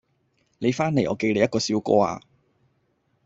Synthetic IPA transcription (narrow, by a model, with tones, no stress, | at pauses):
le˨˧jfaː˥nːe˨˩jʔɔː˨˧ke˧jle˨˧jɐ˥t̚kɔː˧siː˨˥wkɔ̰ː˥a̰ː˧